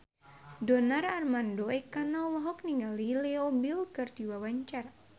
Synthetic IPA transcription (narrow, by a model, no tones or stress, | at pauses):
dɔnararmandoɛkanalɔɦɔkniŋɡalilɛɔbilkɨrdiwawaɲt͡ʃar